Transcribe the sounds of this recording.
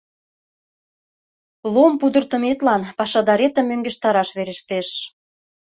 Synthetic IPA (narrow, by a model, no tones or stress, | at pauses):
lompud̪ərt̪ə̆met̪lɑnpɑʃɑd̪ɑɾet̪ə̆mːøŋɡĕʃt̪ɑɾɑʃβeɾĕʃt̪eʃ